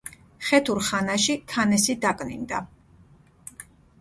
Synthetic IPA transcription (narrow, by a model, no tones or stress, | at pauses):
χɛt̪ʰuɾχanaʃit̪ʰanɛsid̪akʼnḭnd̪a